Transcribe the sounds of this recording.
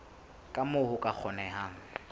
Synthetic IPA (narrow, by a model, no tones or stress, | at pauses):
kʼamʊhʊkʼak͡xʰɔnɛɦaːŋ̩